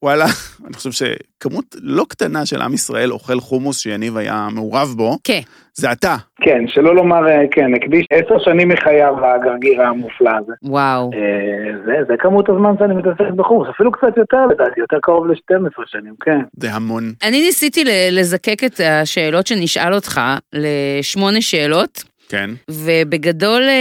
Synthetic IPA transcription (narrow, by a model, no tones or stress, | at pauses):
walaaniχo̥ʃevʃḛkamutlo̞kt̪anaʃelʔa̰misʁa̰ʔe̞lo̞̰χe̞lχumusʃejanivaja̰meuʁavbo̞ken | zeat̪akenʃelo̞lo̞maʁekenekd̪iʃeseʁʃanimiχajavlaɡaʁɡiʁaːmuflaːzewawezezekamutazmanʃeanimitaseχtbeχusafilukt͡sat̪jo̞teʁledaːt̪ijot̪eʁkaʁo̞vleʃtemesʁeʃanimkʰenzeɦamo̞nʔaninisitilelezakeket̪aʃe̞ːlo̞tʃe̞niʃʔalo̞tχale̞ʃmo̞ne̞ʃe̞ːlo̞t | kḛnvebeɡado̞l